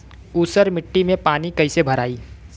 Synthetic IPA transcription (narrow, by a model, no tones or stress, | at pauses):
uːsəɾmɪʈːimẽpaːnikɐɪsebʱɐɾaːiː